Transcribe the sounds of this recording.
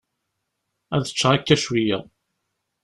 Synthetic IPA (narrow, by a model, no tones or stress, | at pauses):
æðə̥t͡ʃːʁakːæʃwijæ̰